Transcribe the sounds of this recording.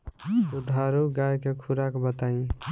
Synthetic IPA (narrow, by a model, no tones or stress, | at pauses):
t̪ud̪ʱaɾuɡajkekʰuɾakbət̪aĩ